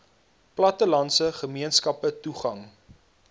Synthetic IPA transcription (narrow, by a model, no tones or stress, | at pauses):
plɐtəlɐnsəχəmiənskɐpətuχɐŋ